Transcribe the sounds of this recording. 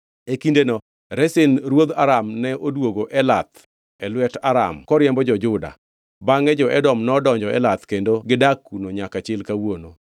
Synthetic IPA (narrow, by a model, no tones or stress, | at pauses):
ekindenɔ | ɾɛsɪnɾwod̪aɾamnɛʔodwoɡoʔɛlat̪ | ɛlwɛtaɾa̰mkɔɾjɛmbɔd͡ʒɔd͡ʒʊda̰ | baŋɛd͡ʒɔʔɛdɔmnɔdɔɲd͡ʒɔɛlat̪kendoɡɪdakːunoɲakat͡ʃɪlkawono